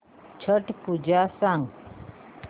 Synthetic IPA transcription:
t͡ʃʰəʈpud͡ʒasãŋɡ

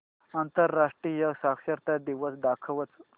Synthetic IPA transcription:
ant̪əɾːaʂʈɾijəsakʃɐɾt̪ad̪iʋəsd̪akʰəʋət͡s

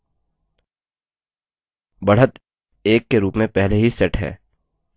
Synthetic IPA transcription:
bɐɽ̤ət̪ | eːkːeɾuːpmẽpɛɦleɦisɛʈɦɛ̰ː

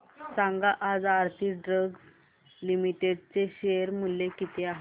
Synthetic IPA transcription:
saŋɡaʔad͡zaɾt̪ʰiːɖɾəɡ | limiʈeɖt͡seɕejəɾmulːekit̪ʰeaɦe

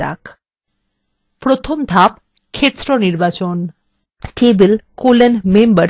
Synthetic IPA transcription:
a̰k | pɾot̪ʰomd̪ʱap̚ | kʰet̪ːɾoniɾbat͡ɕon | ʈebelkolenmembəɾ

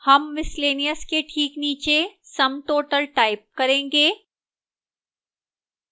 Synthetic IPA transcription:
hɐmʋɪsleːnijəskeʈʰiːkniːt͡ʃesɐmʈoːʈəlʈaːɪp̚kɐɾẽːŋɡeː

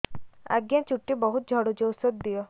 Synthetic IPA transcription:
a̰ɡjat͡ʃuʈːibɔɦut̪̚d͡ʒʱɔɽud͡ʒowsɔt̪̚d̪ijɔ

